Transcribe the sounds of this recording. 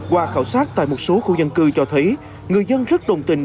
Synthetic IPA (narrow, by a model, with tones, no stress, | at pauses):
kwaː˧˩xaː˧˩wsaː˦˥t̚t̪a̰ː˧˨jmo˨˩t̚so˨˦xṵ˧˩zə˧nkɨ˧t͡ɕɔ˧t̪ʰə˨˦j | ŋɨ˨˩əjzə˧nzə˦˥t̚ɗə˨˩wŋ͡mt̪ï˧˩ŋ̟